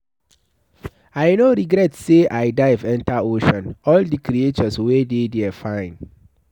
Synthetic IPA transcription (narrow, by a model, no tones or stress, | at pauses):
ajnoɾiɡɾɛtseʔaɪdaɪvɛ̃ntaoʃɔ̃nɔldikɾiet͡ʃɔswededɛafãɪ̃n